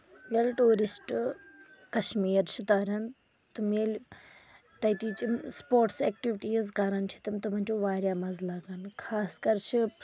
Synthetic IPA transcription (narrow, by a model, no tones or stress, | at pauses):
mʲelʈuːɾisʈ | kɐʃmiːɾt͡ʃʰit̪aːɾɐn | t̪umelʲ | t̪ɐjt̪iːt͡ʃimspoːɾʈsɛːk̚ʈiʋiʈiːzkaːɾɐnt͡ʃʰit̪ɐmt̪ɐm̤ɐnt͡ʃuʋaːɾʲjaːmazlaːɡankʰaːskɐɾt͡ʃʰi